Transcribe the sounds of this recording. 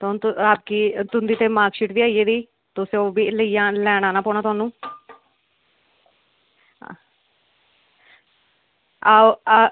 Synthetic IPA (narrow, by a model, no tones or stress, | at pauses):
t̪ːt̪aːpkiːt̪ʊnd̪iːt̪eːmaːkʃiʈbiːaːieːd̪iː | t̪ʊsẽːoːbiːləijãːlɛːɽ̃aːnãːpɔːɳ̃aːt̪ʊaːnũː | a